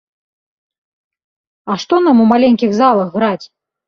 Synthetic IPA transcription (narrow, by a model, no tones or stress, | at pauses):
ɐʂt̪ɔnamumalʲɛnʲkʲiɣzalˠɐɣːɾat͡sʲ